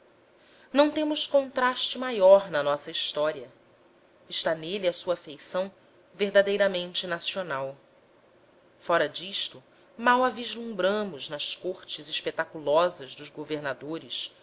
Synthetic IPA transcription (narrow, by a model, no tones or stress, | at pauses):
nɐ̃w̃t̪ẽmʊskõnt̪ɾaʃt͡ʃɪmajɔɾnɐnɔsɐiʃt̪ɔɾiɐ | ɪʃt̪aneliɐsuɐfejsɐ̃w̃ | veɾd̪ad̪ejɾɐmẽnt͡ʃɪnasionaw | fɔɾɐd͡ʒiʃt̪ʊ | mawaviʒlũmbɾɐ̃mʊʒnɐʃkoɾt͡ʃɪzɪʃpet̪akulɔzɐzd̪ʊzɡoveɾnad̪oɾɪs